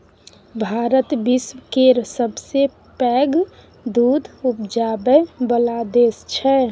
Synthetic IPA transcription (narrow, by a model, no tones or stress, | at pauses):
bʱaːɾət̪biswkeɾsəbse | pɛɡ | d̪uːd̪ʱup̚d͡ʒaːbəbəlad̪eːst͡ʃʰɛ